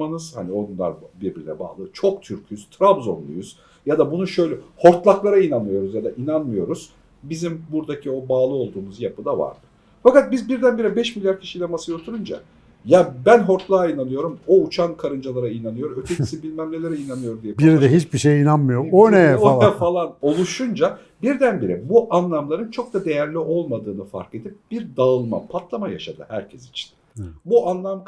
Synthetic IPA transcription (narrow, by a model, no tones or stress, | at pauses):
manɯzha̰nio̞nlˠa̰ɾbiɾbiɾilʲɛ̰ba̰ːlˠɯt͡ʃʰo̞kt̪ʰyɾcʰyz̥t̪ʰɾabzo̞̰nlṵjyz̥ | jad̪abunuʃø̞jlʲɛho̞ɾt̪lˠaklˠaɾainanmɯjo̞ɾuzjad̪aʔinanmɯjo̞ɾuz̥ | bizimbuɾd̪acʰio̞baːlˠɯo̞lˠd̪uːmuzjapɯd̪ava̰ɾd̪ɯ | fakat̪̚bizbiɾd̪ænbiɾɛbɛʃmilʲjaɾcʰi̥ʃilʲɛmasɯjot̪ʰuɾund͡ʒa̰ | jabænɦo̞ɾt̪lˠaːinanɯjo̞ɾumo̞ut͡ʃʰankʰaɾɯnd͡ʒalˠaɾainanɯjo̞ɾøt̪ʰeciisinbilʲmæmlʲelʲeɾɛinanɯjo̞ɾud̪ijɛbiɾd̪ɛɦit͡ʃbiʃejinanmɯjoonɛɛfalˠano̞lˠuʃund͡ʒa | biɾd̪ænbiɾɛ̰buʔanlˠamlˠaɾɯnt͡ʃʰo̞k̚d̪ad̪e̞jæɾlʲiʔo̞lˠmad̪ɯːnɯfa̰ɾke̞d̪ip̚b̥iɾd̪aɯlˠma̰pʰat̪ʰlˠamaja̰ʃad̪ɯ̰hæɾcʰɛsi̥t͡ʃʰi̥n | buʔanlˠamk